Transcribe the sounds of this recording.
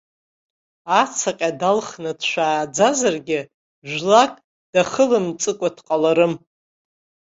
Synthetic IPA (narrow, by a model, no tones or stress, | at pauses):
at͡sʰaqʲʼadalχnɨdʃʷʰaːd͡zazarɡʲɪ | ʒʷᶣlakʼ | d̥aχəlɨmt͡sʼɨkʷʼatʰqʼalaɾɨm